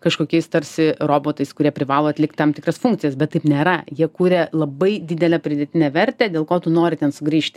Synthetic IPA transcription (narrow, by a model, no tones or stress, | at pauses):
kɐʃkoːkʲɛɪst̪ɐɾʲsʲɪroːboːt̪ɐɪskʊɾʲiɛpʲɾʲɪʋɑːlˠoɐt̪ʲlʲɪk̚t̪ʲt̪ɐmt̪ʲɪkɾɐsfʊŋk̚tsʲɪjɛsbʲɛt̪tɐɪpnʲeːɾɐjiɛkuːɾʲɛlˠɐbɐɪd̪ʲɪd̪ʲɛlʲɛpʲɾʲɪd̪ʲɛt̪ʲɪnʲɛʋʲɛɾʲt̪ʲɛːd̪ʲeːlˠkoːt̪ʊnoːɾʲɪt̪ʲɛnsʊɡɾʲiːʃʲt̪ʲ